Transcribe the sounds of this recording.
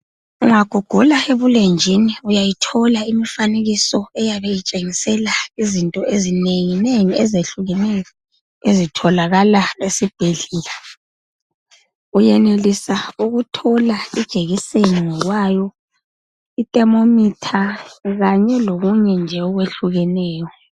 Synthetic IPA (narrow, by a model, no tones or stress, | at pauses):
uŋaɡ̥ʱɔɡ̥ʱulaeβulend͡ʒʱiniujajitʰɔlaimifaneɣisɔɛjaβejit͡ʃʼeŋisɛlaizintʼɔʔezineŋineŋiɛzeɬuɣɛnɛjɔ | ezitʰɔlaɣalaesib̥ʱeɮiːla | ujɛnelisauɣutʰɔlaid̥ʒ̥ʱeɣiseniŋɔɣwajɔ | itʼɛmomitʰaɣaɲɛloɣuɲɛnd͡ʒʱɛɔɣweɬuɣɛnɛːjɔ